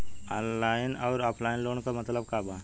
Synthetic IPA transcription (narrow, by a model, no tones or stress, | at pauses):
ɔ̃ːnlaːɪnɔːɾɔːpʰlaːɪnloːnkamɐt̪ləb̚kaːba